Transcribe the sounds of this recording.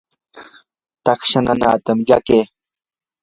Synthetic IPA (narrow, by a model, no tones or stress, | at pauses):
t̪ɑkʃanana̰ːt̪amʎa̰keː